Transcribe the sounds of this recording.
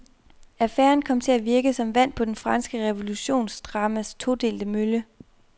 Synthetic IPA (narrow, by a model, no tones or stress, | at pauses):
æfæ̰ːɐnkʰɒ̽m̰t͡sʰe̝læʋiɐɡ̥əsɒ̽mʋæn̰pʰɒ̽d̥enfʁɑ̈nsɡ̥əʁɛʋo̝luɕo̝̰ːnsd̥ʁɑ̈məst͡sʰo̝d̥e̝̰ːld̥əmølə